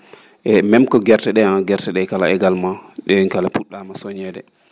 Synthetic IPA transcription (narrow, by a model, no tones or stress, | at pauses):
ʔɛmɛmkɔɡɛɾtɛɗɛanɡɛɾtɛɗɛkalaɛɡalmaɗɛŋkalapuɗːamasoɲɛɗɛ